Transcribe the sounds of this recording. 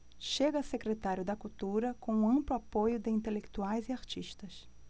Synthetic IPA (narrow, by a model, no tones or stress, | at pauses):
ʃeɡɐsekɾet̪aɾjʊd̪ɐkut̪uɾɐkõũɐ̃mplʊapojʊd̪ɪĩnt̪elekt̪uajzɪaɾt͡ʃiʃt̪ɐs